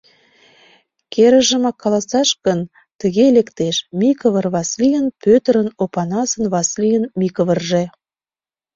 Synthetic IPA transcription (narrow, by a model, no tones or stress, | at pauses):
keɾə̆ʒə̆mɑkʰːɑlɑsɑʃkən | t̪əɣelekt̪eʃmʲikəvərβɑslijənpøt̪əɾə̆nopɑnɑsə̆nβɑslijənmʲikəvərʒe